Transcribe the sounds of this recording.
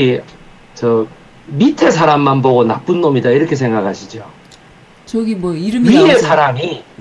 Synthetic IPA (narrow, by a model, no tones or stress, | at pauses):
i | t͡ɕʌ | mitʰe̞sʰaɾamːanboɡonap͈ɯnːomidaiɾʌkʰe̞s̬ʰe̞ŋɡakʰaɕʰid͡ʑo | t͡ɕʌɡimʌiɾɯmiesʰaɾami